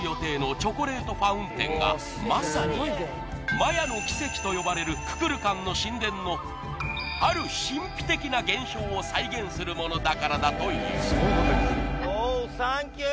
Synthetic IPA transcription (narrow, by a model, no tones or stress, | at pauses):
jo̞t̪e̞ːno̞t͡ɕo̞koɾe̞ːt̪o̞ɸaɯ̟̃nt̪ẽ̞ŋɡa̰ | masaɲ̟i | majano̞kʲi̥se̞kʲi̥t̪o̞jo̞baɾe̞ɾɯ̟kɯ̟̥kɯ̟ɾɯ̟kãnːo̞ɕĩnd̪ẽ̞nːo̞ | aɾɯ̟ɕĩmpʲi̥t̪e̞kʲinaɡẽ̞ɰ̃ɕo̞ːsaiɡẽ̞ɰ̃sɨɾɯ̟mo̞no̞d̪akaɾad̪at̪o̞ḭː | aŋkʲ